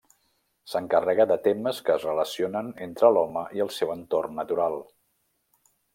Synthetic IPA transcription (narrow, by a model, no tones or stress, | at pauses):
səŋkərɛɣəðət̪eməskəːzrələsionənent̪ɾəlɔməʔiəlˠsɛwənt̪ornːət̪uɾalˠ